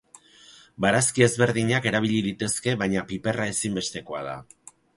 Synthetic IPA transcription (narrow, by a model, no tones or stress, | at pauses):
baɾaskie̞zβe̞ɾðiɲake̞ɾaβ̞iʎiðit̪e̞ske̞βaɲapipe̞rae̞simbe̞st̪e̞ko̞aða̰